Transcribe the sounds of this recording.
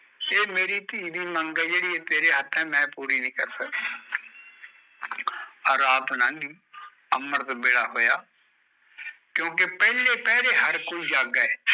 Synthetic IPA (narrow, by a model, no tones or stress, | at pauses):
eːmeːɾiːt̪iːbiːməŋɡɛːd͡ʒeːɽiːɛːt̪eːɾeːɦət̪ʰːɛːmɛ̃ːpuːɾiːnĩːkəɾsək | ɔɾaːt̪nãːŋɡiː | əmːəɾt̪oːbeːɽaːɦoːjaː | kjõːkepɛːleːpɛːleːɦəɾkoːiːd͡ʒaːɡɛː